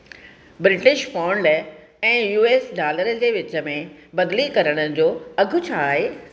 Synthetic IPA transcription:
bɾɪʈɪʃfaːʊɳɖ | ɛ̃ːjuːeːsɖaːləɾəd͡ʑeːʋɪt͡ɕəmẽbɐd̪likɐɾəɽ̃əd͡ʑoːɐɡʱʊ̆t͡ɕʰaːɦeː

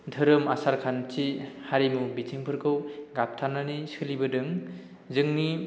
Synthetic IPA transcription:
dʱɯɾɯmasaɾkʰant͡ʃihaɾimubitʰiŋpʰɯɾkʰɯwɡap̚tʰananisɯlibɯdɯŋ | zɯŋni

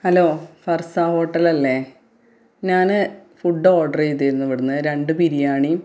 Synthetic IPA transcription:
hɐlo̞ːfɐrsaːho̞ːʈːɐlɐlːe̞ | ɲaːnɨfuɖːoːɖɐrejt̪ːiɾunːɐʋiɽunːɨɾe̞ɳɖɨpiɾijaːɳi

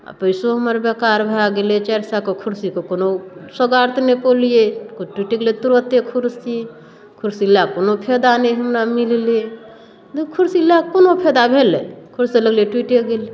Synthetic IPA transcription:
a̰pəɪsoɦəməɾbekaɾbʱɾaɡelet͡ʃaɾsakokʰuɾsikokonosəɡaɾt̪ʰnepolijekoʈwiʈeɡlet̪uɾot̪ekʰuɾsi | kʰuɾsilakonopʰed̪anɛɦəmɾamille | d̪kʰuɾsilakonopʰed̪abʱelḛkʰuɾsiləɡleʈwiʈeɡele

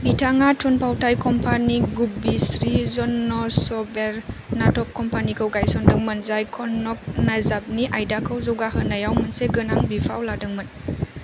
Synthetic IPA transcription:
mitʰaŋatʰunpʰawtʰajkʰɔmpʰaniɡubisɾizɔnːɔsɔbeɾnatʰɔkʰːɔmpanikʰəwɡajsɔndɯŋmɯnzajkʰɔnːɔk̚nazab̚niʔajdakʰəwzɔwɡaɦɯnɐjawmɯnseɡɯnaŋbipʰa̰wladɯŋmɯn

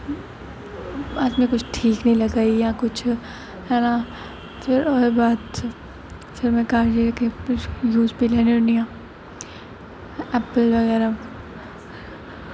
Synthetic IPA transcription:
aːd͡ʒmẽkʊt͡ʃʰʈʰiːknɐɦĩlɐɡaːijakʊt͡ʃʰ | hɛːna | ɪɾɔːebaːt̪ | sɐɾmẽkaːɾd͡ʒikẽjuːzpileːneʊnijãː | ɛːpəlʋɐɣɛːɾa

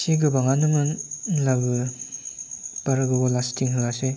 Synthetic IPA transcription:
siɡɯbaŋanɯmɯnlabɯ | paɾɯɡɯbɔlastiŋɦɯase

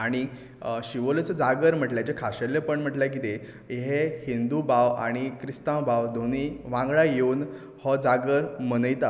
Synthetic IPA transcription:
aɽ̃i | ɕiʋolt͡səd͡zaɡəɾm̤əʈljat͡ɕekʰaɕəlːepəɳm̤əʈljak̬it̪e | eɦehind̪ubawa̰ɽ̃ikɾist̪ãwbawd̪ʱoniʋãŋɡɭajeun | hɔd͡zaɡəɾm̤ənəjt̪a

